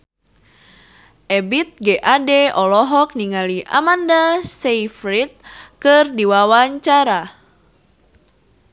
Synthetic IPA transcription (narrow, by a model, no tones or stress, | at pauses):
ʔɛbit̪̚ɡɛʔadɛɔlɔɦɔk̚niŋaliʔa̰mandasejfɾit̪̚kɨrdiwawaɲt͡ʃaɾa